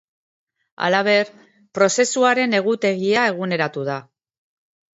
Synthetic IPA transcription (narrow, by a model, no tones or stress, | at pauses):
a̰laβ̞e̞ɾ | pɾo̞se̞suaɾe̞ne̞ɣ̞ut̪e̞ɣiae̞ɣ̞une̞ɾat̪uða